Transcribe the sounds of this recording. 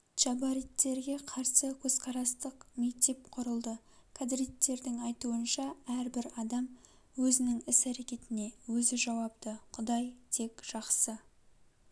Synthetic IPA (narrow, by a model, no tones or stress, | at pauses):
t͡ʃɑbaɾijt̪ːe̞ɾɡʲe̞qʰɑɾsəkʲʰɵz̥qʰɑɾɑst̪əqme̞k̚t̪e̞p̚qʰʊɾəlˠd̪ə | kʰad̪ɾit̪ːe̞ɾd̪ɪŋɑjt̪uənʃɑæɾbɪɾɑd̪ɑm | wɵzɪnɪŋɪsæɾe̞kʲe̞t̪ɪne̞wɵzɪʒɑwɑp̚t̪əqʰʊd̪ɑjt̪ʰe̞kʒ̥ɑqsə